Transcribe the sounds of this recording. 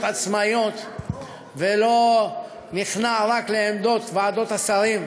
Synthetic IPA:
t̪at͡smajo̞t̪ | velo̞ | niχnaʁakleemd̪o̞t̪vaːd̪o̞t̪asaɾim

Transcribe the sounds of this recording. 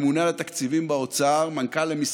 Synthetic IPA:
munalat̪akt͡sivimbaot͡saʁmankalemis

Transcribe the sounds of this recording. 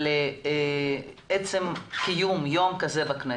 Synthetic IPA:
le | et͡semkijumjo̞mkazebakne

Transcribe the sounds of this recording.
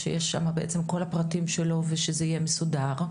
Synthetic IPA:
ʃejeʃːa̰mabeʔet͡semko̞lapʁatimʃe̞lo̞veʃezeijemesudaʁ

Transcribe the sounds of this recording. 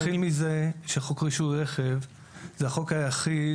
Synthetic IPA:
χilmize̞ʃeχokʁiʃuʁeχev | zeaχo̞khajaχi

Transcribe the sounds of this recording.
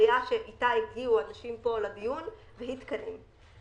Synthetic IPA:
jaʃeʔitaiɡɡiuanaʃimpo̞ladijun | vehit̪kadem

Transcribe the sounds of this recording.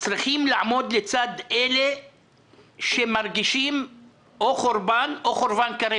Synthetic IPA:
t͡sɾiχimlaʕamo̞d̪let͡sad̪ele | ʃemaɾɡiʃim | oχoɾbanoχoɾbankaɾe

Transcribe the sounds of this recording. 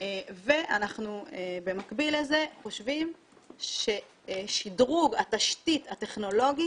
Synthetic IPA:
eve̞ʔanaχnuebe̞makbileze̞χo̞ʃvim | ʃe | ʃidʁuɡataʃtit̪ate̞χno̞lo̞ɡi

